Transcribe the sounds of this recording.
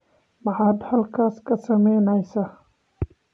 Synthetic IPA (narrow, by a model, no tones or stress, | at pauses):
mɑħaːd̪hɐlkʰaːskʰɐsɐmɛjnɛjsaː